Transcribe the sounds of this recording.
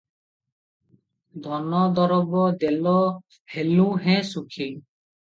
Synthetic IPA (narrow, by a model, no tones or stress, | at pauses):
d̪ʱɔnɔd̪ɔɾɔbɔd̪elɔ | helũɦɛ̃sukʰi